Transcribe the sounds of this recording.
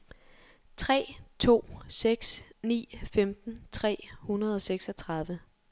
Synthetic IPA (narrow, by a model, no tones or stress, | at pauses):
t͡sʰʁɛ̰ːt͡sʰo̝̰ːseɡ̥snḭːfemd̥n̩t͡sʰʁɛ̰ːhunɐð̞̩ˠɒ̽seɡ̥sɒ̽t͡sʰʁɑ̈ð̞ˠʋə